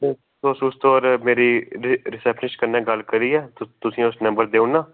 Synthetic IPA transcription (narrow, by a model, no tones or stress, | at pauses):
eː | osʊst̪oːɾmeːɾiːɾɾɪsɛːpʰɪʃkəɾnɛ̃ːɡəlkəɾiːɛːt̪ʊsĩːʊsnə̃mbəɾd̪eːũnãː